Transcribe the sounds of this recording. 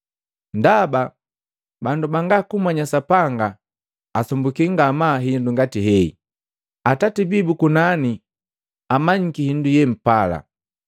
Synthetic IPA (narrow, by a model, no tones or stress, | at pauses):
ndaba | bandubaŋɡakumwaɲasapaŋɡaː | sɔmbukiŋɡamaɦinduŋɡatiɦɛḭ | atatibibukunani | amaɲ̩kihindujɛm̩pala̰